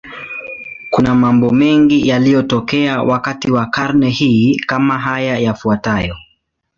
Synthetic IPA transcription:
kunamambɔmɛŋɡijalijɔtɔkɛawʔakatiwakaɾnɛhiːkamaɦajajafuatajɔ

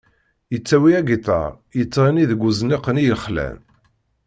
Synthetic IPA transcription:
jət͡sːæwiæɡit̪ɑ̰ɾˤ | jət͡sːɾiniðəɡʷːuzniqənijəχlæ̰n

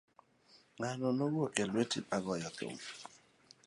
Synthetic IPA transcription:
ŋanɔnowokelwetḭpaɡɔjɔko̰m

